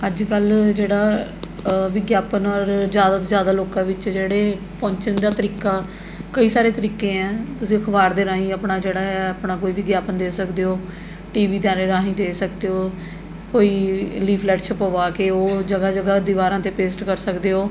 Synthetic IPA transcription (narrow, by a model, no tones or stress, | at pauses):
əd͡ʒkəld͡ʒeːɽaː | ʋɪɡjaːpənɔːɾzjaːd̪aːt̪õːzjaːd̪aːloːkãːʋɪt͡ʃd͡ʒeːɽeː | pɔ̃ːɲt͡ʃənd̪aːt̪əɾiːkaː | kəiːsaːɾeːt̪əɾiːkẽːɛ̃ːt̪ʊsĩːkʰəbaːɾd̪eːɾãːɦĩːəːpɳaːd͡ʒeːɽaːɛəpnaːkoːiːʋɪɡjaːpənd̪eːsəkd̪eːɦoː | ʈiːʋiːd̪jãːɾeːɾãːɦĩːd̪eːsək̚d̪eːɦoː | koːiːliːpʰlɛːʈt͡ʃʰəpoʋaːkeːoːd͡ʒəɡaːd͡ʒəɡaːd̪iːʋaːɾãːt̪eːpeːsʈkəɾsəkd̪eːɦoː